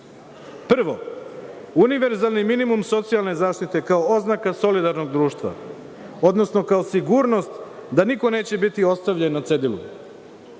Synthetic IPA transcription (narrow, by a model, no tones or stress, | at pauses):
pr̩ʋo̞ | uniʋe̞ɾzalniminimumso̞t̪sijalˠne̞zaːʃt̪it̪e̞kaooznakaso̞lid̪aɾno̞ɡd̪ɾuːʃt̪ʋa̰ | o̞d̪nosno̞kaosiɡuɾno̞st̪d̪aniko̞ne̞ːt͡ɕe̞bit̪io̞st̪aʋʎenːat̪sed̪ilˠṵ